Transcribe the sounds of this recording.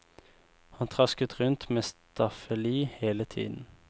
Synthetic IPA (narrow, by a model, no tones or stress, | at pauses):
hɑnt̪ʰʁɑskət̪ʁʉnt̪meːst̪ʰɑfəliːheːlət̪ʰḭːd̪n̩